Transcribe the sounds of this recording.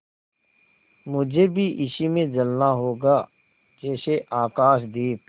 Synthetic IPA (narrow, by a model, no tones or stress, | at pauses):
mʊd͡ʒʱeːbʱiʔɪʃimẽd͡ʒəlnaɦoːɡaː | d͡ʒɛːseʔaːkaːʃ̬d̪iːp